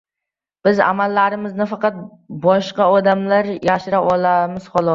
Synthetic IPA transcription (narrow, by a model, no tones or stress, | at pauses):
b̥ɪza̰malːaɾɪmɪznafɑqɑt̪̚ | bɒʃqɑɒd̪amlaɾjaʃɪɾaɒlˠamɪz̥χɒlˠɒ